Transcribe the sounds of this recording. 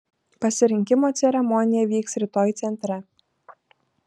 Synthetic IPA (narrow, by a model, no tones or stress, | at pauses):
pɐsʲɪɾʲɪŋʲkʲɪmoːt̪sʲɛɾʲɛmɔnʲɪjɛʋʲiːksɾʲɪt̪oːjt̪sʲɛnʲt̪ʲɾʲɛ